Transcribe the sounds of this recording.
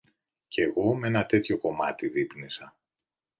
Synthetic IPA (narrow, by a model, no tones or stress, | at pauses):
ce̞ɣo̞mee̞nɐt̪e̞t̪ço̞ko̞mɐt̪iðipnisɐ